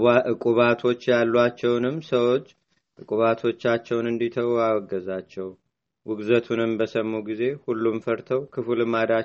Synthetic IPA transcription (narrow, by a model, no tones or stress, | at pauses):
ʔɨkʼuβat̪ʰo̞t͡ʃːjalːat͡ʃːɛwnɨmːsəwo̞t͡ʃː | ʔɨkʼuβat̪ʰo̞t͡ʃːat͡ʃːɛwnɨnd̪it̪ʰəwawɡːəzat͡ʃːɛw | wɨɡzət̪ʰunɨmbəsəmːuɡize̞hulːumfəɾt̪ʰəwkʰɨfɨlɨmad̪a